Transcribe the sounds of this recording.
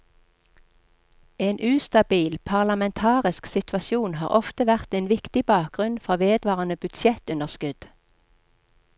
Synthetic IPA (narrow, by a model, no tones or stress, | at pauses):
eːnʔʉːst̪ɑbiːlpʰɑʁlɑmɛnt̪ʰɑːʁɪsksɪt̪ʰʋɑsjuːnhɑ̰ːʁʔɔft̪əʋæʁt̪eːnʋɪkt̪ɪbɑːk̚ɡʁʉnfʁɔʋeːd̪ʋɑːʁɑnəbʉd̪sjɛt̪ʉnəʁskʉd̪̥